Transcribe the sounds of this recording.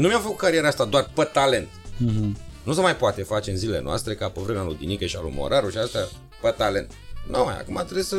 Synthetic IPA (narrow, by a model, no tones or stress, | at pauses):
numjamfəkut̪̚kaɾieɾaast̪ad̪oarpət̪ale̞nt̪̩ | nus̬əmajpoat̪e̞fat͡ʃeɨnzilele̞no̰a̰st̪ɾe̞kapovɾenalud̪inikeʃialṵmo̰ɾʔaɾuʃiast̪a | pət̪ale̞nt̪no̰maja̰kumat̪ɾebisə